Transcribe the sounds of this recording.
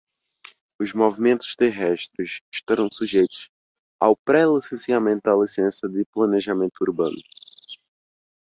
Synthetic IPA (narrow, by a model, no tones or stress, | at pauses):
ʊzmovimẽnt̪ʊ̥ʃt̪eɦɛʃt̪ɾʊʃɪʃt̪aɾɐ̃w̃suʒejt̪ʊ̥s | a̰wpɾɛlisẽsiamẽnt̪ʊd̪ɐlisẽsɐd̪ɪplɐ̃neʒamẽnt̪uuɾbɐ̰̃nʊ